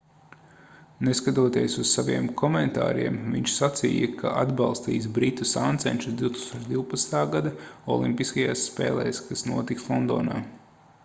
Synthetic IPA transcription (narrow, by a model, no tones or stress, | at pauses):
neskat̪uɔt̪iɛsussaviɛmkʰɔmɛnt̪a̰ːɾiɛmviɲʃsat̪sḭːjɐkʰaʔad̪bɑlˠst̪ḭːsbɾit̪usant̪sɛnʲt͡ʃusd̪iwt̪u̥kst̪oːt͡ʃd̪iwpat̪snt̪aːɡad̪aɔ̰lˠimpiskajaːsːpɛ̰ːlˠɛ̰ːskasnuɔt̪ikslˠɔnd̪ɔːnaː